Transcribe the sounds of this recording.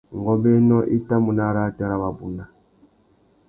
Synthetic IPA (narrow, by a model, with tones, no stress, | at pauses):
ŋ˨ɡɔ˦bɛ˦nɔ˦ʔi˦ta˦mu˨na˦ɾa˦˨ta˦ɾa˦βa˨bu˨na˨